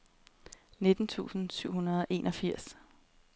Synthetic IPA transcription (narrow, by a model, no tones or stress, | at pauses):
ne̝d̥n̩t͡sʰṵːsn̩syʊ̰ɦunɐð̞ˠɒ̽ʔe̝ːnʔɒ̽fiɐ̰s